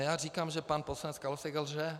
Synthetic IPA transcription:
jaːriːkaːmʒɛpanposlanɛt͡skalosɛɡɛlʒɛ

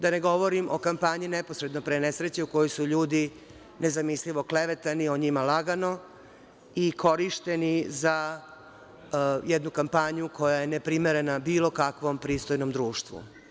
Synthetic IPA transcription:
d̪ane̞ɡo̞ʋo̞ɾimʔo̞̰kampaɲineposɾed̪nopɾenesɾet͡ɕeuko̞jojsuʎuːd̪i | ne̞zamisliʋo̞kleʋet̪anio̞ɲimalaɡano̞ | ikʰo̞ɾiʃt̪e̞niza | jed̪nukampaɲukʰo̞jaje̞nepɾimeɾe̞nabiːlo̞kakʋo̞mpɾiːst̪o̞jnomd̪ɾuːʃt̪ʋṵ

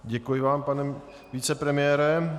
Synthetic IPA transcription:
ɟɛkujɪvaːmpanɛ | viːt͡sɛpɾɛmɪjɛːɾɛ

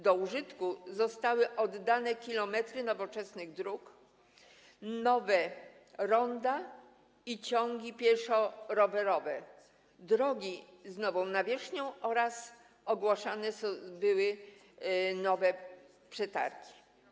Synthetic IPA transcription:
d̪ɔuʐɘt̪kuzɔst̪awɘʔɔd̪ːanɛkʲilɔmɛt̪ɾɘnɔvɔt͡ʂɛsnɘɣd̪ɾuk | nɔvɛ | ɾɔnd̪a | it͡ɕɔŋɡʲipʲjɛɾʂɔɾɔvɛɾɔvɛ | d̪ɾɔɡʲiznɔvɔ̃w̃navʲjɛʂɲɔ̃w̃ɔɾas | ɔɡwaʂanɛsbɘwɘ | nɔvɛ | pʂɛt̪a̰ɾkʲi̥

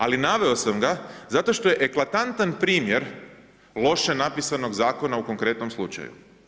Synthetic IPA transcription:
alinaʋe̞o̞samɡazat̪oʃt̪o̞je̞ʔeklat̪ant̪anpɾiːmjeɾ | lˠo̞ʃenapisano̞ɡzaːko̞nauko̞ŋkɾe̞t̪no̞mslˠut͡ʃa̰jṵ

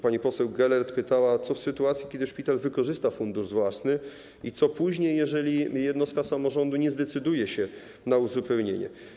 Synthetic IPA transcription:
paɲipɔsɛwɡɛlɛɾt̪pɘt̪awat̪sɔfsɘt̪uat̪sʲjikʲɛd̪ɘʂpʲit̪alvɘkɔʐɘst̪afund̪uʐvwasnɘ | it̪sɔpuʑɲejːɛʐɛlʲijɛd̪nɔst̪̚kasamɔʐɔnd̪uɲɛzd̪ɛt̪sɘd̪ujɛɕɛ | nauzupɛwɲeɲɛ̰

